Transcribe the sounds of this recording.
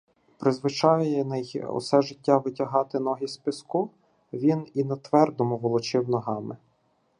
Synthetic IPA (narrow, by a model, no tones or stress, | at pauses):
pɾɪzʋɪt͡ʃɑjjɛnɛjɔ̰sɛʒɪtʲːaʋɪtʲɐɦɑt̪ɪnɔɦʲispʲɪsku | ʋʲininɐt̪ʋɛrd̪ɔmʊʋɔlˠɔt͡ʃɪwnɔɦɑmɪ